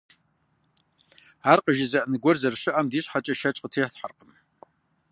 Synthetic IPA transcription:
aːrqəʒɪzɐʔnɨɡʷɔrzɐrɕɪʔamdiːɕʼħat͡ʃʼɐʃɐt͡ʃʼqətʰeːħθħarqʼəm

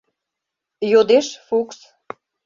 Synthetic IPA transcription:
jod̪eʃfuks

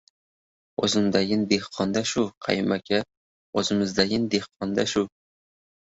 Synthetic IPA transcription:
ozɪnd̪aɡʲɪnd̪ehqʰɒnd̪aʃʊqʰɑ̰jmakʲʰa | ozɪmɪzd̪aɡʲɪnd̪ehqʰɒnd̪aʃʊ

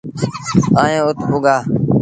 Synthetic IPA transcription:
ãːjẽːʊt̪ʰʊɡaː

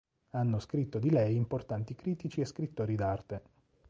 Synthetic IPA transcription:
anːoskɾit̪ːod̪ilɛjimport̪ant̪ikɾiːt̪it͡ʃieskɾit̪ːoːɾid̪art̪e

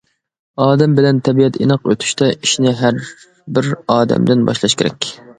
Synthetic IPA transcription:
ɑːd̪ɛmbɪlɛnt̪ʰɛbiɛt̪ʰinɨqø̰t̪ʰy̥ʃt̪ʰɛʔiʃnɪɦæɾ | bɪɾɑːd̪ɛ̰md̪ɪnbɑ̰ʃlˠɑʃkʲʰeɾɛ̰kʲ

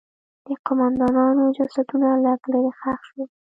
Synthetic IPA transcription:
d̪̥əqʊmand̪ɑnɑnod͡ʒasad̪unalaɡləɾexaxʃwe

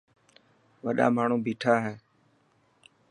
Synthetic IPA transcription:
ʋəɗa̰ːmaːɳ̤uːbʱiːʈʰaːɦɛː

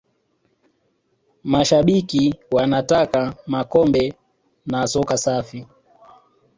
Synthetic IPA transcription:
maʃaɓikiwanatakamakɔmbɛ | nasɔkasafi

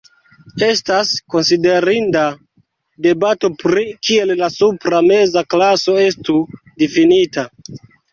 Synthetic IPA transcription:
e̞stasko̞nside̞ɾinda | de̞bato̞pɾikie̞llasupɾame̞zaklaso̞e̞stu | difinita

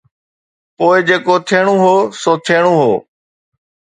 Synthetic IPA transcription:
poːɪd͡ʑeːkot̪ʰeːɽ̃ũɦoːsoːt̪ʰeːɽ̃uːɦo̰ː

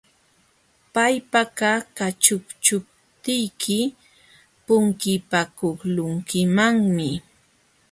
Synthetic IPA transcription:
pajpakakat͡ʃʊkt͡ʃʊp̚ | t̪ɪjkʰɪ | pʊŋkɪpakoχlʊŋkɪmaŋmɪ

